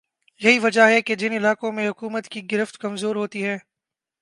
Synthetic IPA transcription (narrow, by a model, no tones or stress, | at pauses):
jɐɦiʋɐd͡ʒaɦɛked͡ʒɪnɪlaːkõmẽɦʊkuːmət̪kiɡɪɾəft̪kɐmzoːɾɦoːt̪iɦɛː